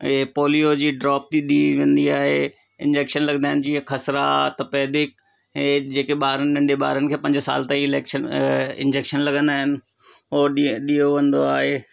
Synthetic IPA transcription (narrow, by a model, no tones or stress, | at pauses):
poːlijod͡ʑiːɖɾaːp̚t̪iɗiʋẽːnd̪iaːɦe | ɪ̰̃nd͡ʑeːkʃənlɐɡənd̪aːɦɪnɪ̆d͡ʑiːɦkʰɐsɾat̪ɐpɛːd̪ɪk̚ | ɦẽd͡ʑeːkeɓaːɾənɪɗɐ̃ɳɖeɓa̰ːɾənɪ̆kʰeːpɐ̃ɲd͡ʑsa̰ːlt̪ẽiɪleːkʃənɪ̰̃nd͡ʑeːkʃənlɐɠə̃nd̪aːɦɪnɪ̆ | oːɗijoʋɐ̃nd̪oaːɦeː